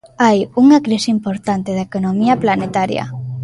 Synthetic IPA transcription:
ajuŋakɾisimpoɾt̪ant̪eðaekonomiɐplanet̪aɾjɐ̰

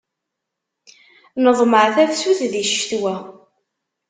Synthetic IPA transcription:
nəðˤməʕθæfsuθðiʃθwæ

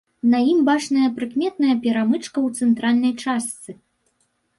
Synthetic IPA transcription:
nɐjimbat͡ʂnɐjɐpɾɨkmʲɛt̪̚nɐjɐpʲɛɾamɨt͡ʂkɐwt̪sɛnt̪ɾalʲnɐjt͡ʂast̪sɨ

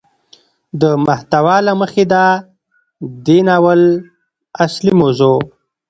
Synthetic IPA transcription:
d̪əmaht̪awalaməxed̪a | d̪enawəl | aslimozo

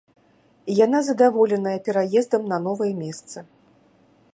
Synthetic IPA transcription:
jan̪azɐd̪avɔlʲɛnɐjɐpʲɛɾajɛzd̪ɐmnɐnɔvɐjɛmʲɛst̪sɐ

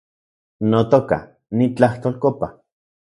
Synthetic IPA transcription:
not̪oka̰ | nit͡ɬaht̪oːlkopa

